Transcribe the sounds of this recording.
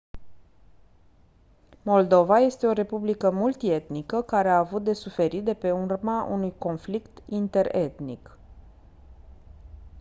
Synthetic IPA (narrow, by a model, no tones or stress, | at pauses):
mo̞ld̪o̞vaje̞st̪e̞o̞ɾe̞publikəmult̪ie̞t̪nikəkaɾeaːvut̪̚d̪e̞sufe̞ɾit̪̚d̪e̞pe̞urmaʔṵnujko̞nflikt̪int̪e̞ɾe̞̰t̪nḭk